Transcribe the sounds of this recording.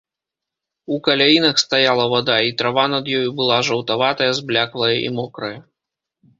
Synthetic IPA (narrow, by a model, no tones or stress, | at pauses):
ukɐlʲajinɐxst̪ajalˠɐvad̪ait̪ɾavanɐd̪jɔjubɨlˠaʐɐwt̪avat̪ɐjɐzblʲaklˠɐjɐʔḭmɔkɾɐjɐ